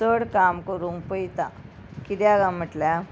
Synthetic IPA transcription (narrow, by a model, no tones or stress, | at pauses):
səɽkamkəɾuŋɡpəjt̪a | kid̪jaɡãm̤əʈlja